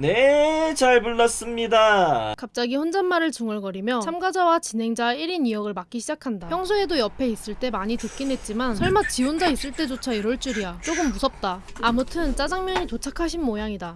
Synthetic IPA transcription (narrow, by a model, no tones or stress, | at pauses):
net͡ɕaɭpuɭːas͈ɯmɲidakap̚t͡ɕ͈aɡiɸond͡ʑanmaɾɯɭt͡ɕuŋɯɭɡʌɾimjʌt͡ɕʰamɡad͡ʑawat͡ɕinɦe̞ŋd͡ʑaiɾinijʌɡɯɭmak͈iɕʰid͡ʑakʰandapjʌŋsʰoe̞dojʌpʰe̞is͈ɯɭt͈e̞maɲitɯk͈̚inɦe̞t̚t͡ɕ͈imansʰʌɭmat͡ɕiwond͡ʑais͈ɯɭt͈e̞d͡ʑot͡ɕʰaiɾoɭt͡ɕ͈uɾijat͡ɕ͈oɡɯmːusʰʌp̚t͈aːmutʰɯnt͡ɕ͈ad͡ʑaŋmjʌɲitot͡ɕʰakʰaɕʰinmojaŋida